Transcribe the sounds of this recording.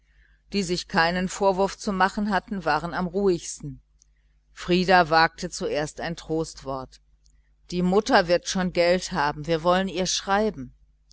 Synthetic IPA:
d̥iːzɪçkʰaɪnənfoːɐvʊɐft͡sumaχn̩ɦatn̩vaːʁ̞ənamʁuːɪçstn̩ | fʁ̥iːdavaːk̚tət͡suʔeːɐstaɪntʁ̥oːstv̥ɔɐt | d̥iːmʊtɐvɪɐtʃoːnɡɛlthaːbm̩viːɐvɔləniːɐʃʁ̥aɪbm̩

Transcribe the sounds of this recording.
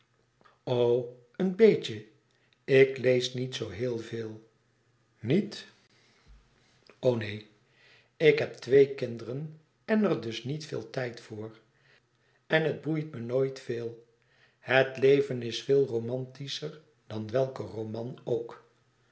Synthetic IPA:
ow | ənbejt͡ʃə | ɪklejsnitsowɦɪːlˠveːlˠ | nit | ownej | ɪkɦɛp̚tʋejkɪndərən | ɛnəɹdɵsnitfɪ̰ːlˠtɛjtfʊːr | ɛnəd̚bujtmənoːjtfeːlˠ | hətlejvənɪsfɪːlˠromɑntisəɹ | d̥ɑnʋɛlˠkərowmɑnowk

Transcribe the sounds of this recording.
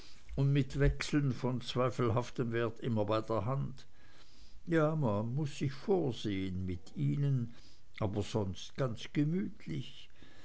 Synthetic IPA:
ʊndmɪtv̥ɛksl̩nfɔnt͡sv̥aɪfl̩ɦaftəmvɛːɐtʔɪmɐbaɪdeːɐɦant | jaːmanmʊsːɪçfoːɐz̥eːənmɪtiːnən | ʔaːbɐz̥ɔnst̚ɡ̥ant͡sɡ̥əmyːtʰlɪç

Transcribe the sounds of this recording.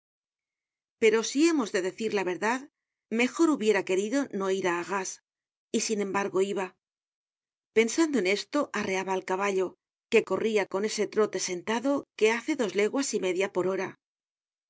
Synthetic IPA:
pe̞ɾo̞sie̞mo̞zðe̞ðe̞θiɾlaβe̞ɾðað | me̞xoɾuβje̞ɾake̞ɾiðo̞no̞iɾaːɣas | isinẽ̞mbaɾɣo̞iβa | pe̞nsand̪oe̞ne̞st̪o̞ʔare̞aβaːlkaβaʎo̞ | ke̞ko̞riako̞ne̞se̞t̪ɾo̞t̪e̞se̞nt̪aðo̞ke̞aθe̞ðo̞zle̞ɣwasime̞ðjapo̞ɾo̞ɾa

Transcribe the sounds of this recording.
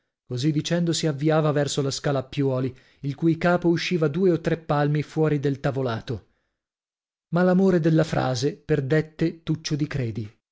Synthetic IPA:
kozid̪ːit͡ʃɛnd̪osiavːiaːvavɛrsolaskaːlaːpːjɔːli | ilkujkaːpouʃːiːvad̪uːeot̪ːɾepːalmifwɔːɾid̪elt̪avolaːt̪o | malamoːɾed̪elːafɾʔa̰ːzeperd̪et̪ːet̪ut͡ʃːod̪ikɾeːd̪i

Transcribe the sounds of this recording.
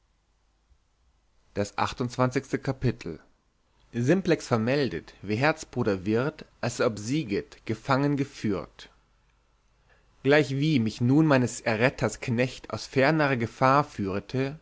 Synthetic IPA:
d̥asʔa̰χtʊntt͡sv̥ant͡sɪçstəkʰapɪtʰl̩ | zɪmplɛksfɛɐmɛldətv̥iːɦɛɐt͡sb̥ʁuːɾɐvɪʁtʔalsɔpz̥iːɡətɡ̥əfaŋənɡəfyːɐt | ɡ̥laɪçv̥iːmɪçnuːnmaɪnəsɛɐʁɛtʰɐsknɛçta̰ʊsfɛɐnəʁəɡəfaːɐfyːʁətʰə

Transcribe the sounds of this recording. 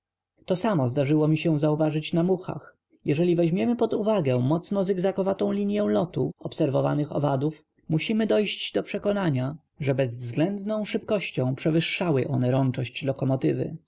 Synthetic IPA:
t̪ɔsamɔzd̪aʐɘwɔmʲiɕɛzauvaʐɘt͡ɕnamuxa̰x | jɛʐɛlʲivɛʑmʲjɛmɘpɔd̪uvaɡɛ̃mɔt̪snɔzɛɡzakɔvat̪ɔ̃w̃lʲiɲjɛ̃w̃lɔt̪uɔpsɛɾvɔva̰nɘxɔ̰vad̪uf | muɕimɘd̪ɔjɕd͡ʑd̪ɔpʂɛkɔnaɲa | ʐɛbɛzvzɡlɛnd̪nɔ̃w̃ʂɘpkɔɕt͡ɕɔ̃w̃pʂɛvɘʂːawɘʔɔnɛɾɔnt͡ʂɔɕt͡ɕlɔkɔmɔt̪ɘvɘ̰

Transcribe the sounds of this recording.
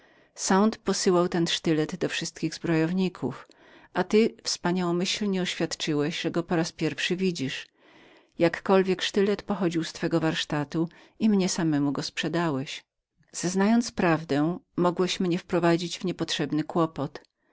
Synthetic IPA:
sãnt̪pɔsɘwawt̪ɛnʂt̪ɘlɛd̪d̪ɔfʂɘst̪̚kʲiɣzbɾɔjɔvɲikʰṵf | ʔat̪ɘfspaɲawɔ̃mɘɕlɲɛɔɕfʲjat̪t͡ʂɘwɛɕʐɛɡɔpɔɾaspʲjɛɾfʂɘvʲid͡ʑiʂ | jakːɔlvʲjɛkʂt̪ɘlɛt̪pɔxɔd͡ʑiwst̪fɛɡɔvaɾʂt̪at̪u | imɲɛsamɛmuɡɔspʂɛd̪awɛɕ | z̥aznajɔnt̪spɾavd̪ɛmɔɡwɛɕmɲɛfpɾɔvad͡ʑid͡ʑvɲɛpɔtʂɛbnɘkwɔpɔt̪

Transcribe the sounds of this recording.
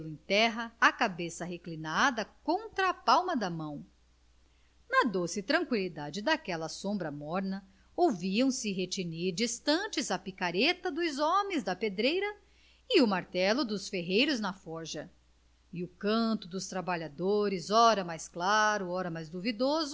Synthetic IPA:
lʊẽj̃t̪ɛɦɐːkabesɐɦeklinad̪ɐkõnt̪ɾɐːpawmɐd̪ɐmɐ̃w̃ | nɐd̪osɪt̪ɾɐ̃ŋkwilid̪ad͡ʒɪd̪akɛlɐsõmbɾɐmɔɾnɐ | owviɐ̃w̃sɪɦet͡ʃiniɾd͡ʒist̪ɐ̃t͡ʃɪzɐpikaɾet̪ɐd̪ʊzɔmẽj̃zd̪ɐped̪ɾejɾɐ | ɪʊmaɾt̪ɛlʊd̪ʊsfeɦejɾʊznɐfɔɾʒɐ | ɪʊkɐ̃t̪ʊd̪ʊst̪ɾabaʎad̪oɾɪzɔɾɐmajsklaɾʊɔɾɐmajzd̪uvid̪ozʊ

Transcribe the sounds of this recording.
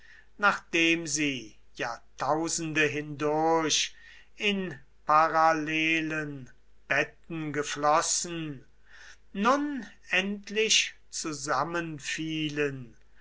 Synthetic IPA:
naːχd̥eːmziː | jaːtʰaʊzn̩dəɦɪndʊɐɕ | ɪn | paʁaleːlən | b̥ɛt̚n̩ɡəflɔsn̩ | ʊn | ɛntʰlɪʃ | t͡suzamənfiːlən

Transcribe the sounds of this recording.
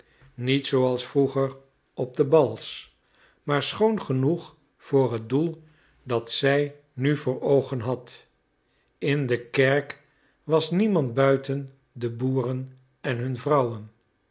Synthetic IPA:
nitsowɑlˠsfruχəɹ | ɔb̚dəbɑlˠs | maːɹsχownχənuχ | v̥ʊːrɦət̚dulˠ | dɑtsɛj | nyvʊːɹowχənɦɑt | ɪndəkɛɹk | ʋɑsnimɑnt̚bœɥtən | dəbuːrən | ɛnɦɵnvrʌwən

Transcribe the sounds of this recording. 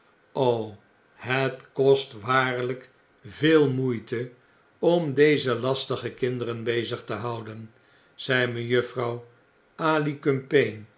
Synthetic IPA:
ow | hətkɔstʋaːɹlək | veːlˠmujtə | ɔmdejzəlɑstəχəkɪndəɾənbejzəχtəɦɑwdən | z̥ɛjməjøfrɑw | aːlikɵmpejn

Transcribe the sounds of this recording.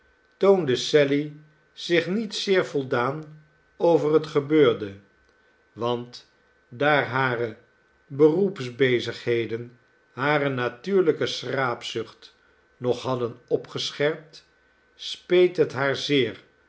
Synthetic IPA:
towndəsɛli | z̥ɪχnitsɪːɹvɔlˠdaːn | owvərɦətχəbøːɹdə | ʋɑnt | daːɹɦaːrə | bərupsbejzəχɦejdən | ɦaːrənatyːɹləkəsraːpsʏχt | nɔχɦɑdənɔpχəsχɛɹp̚t | spejtɦətɦaːɹzɪːɹ

